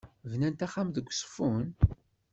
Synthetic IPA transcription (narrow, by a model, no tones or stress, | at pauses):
vnænt̪æχamðəɡʷːsˤə̥fun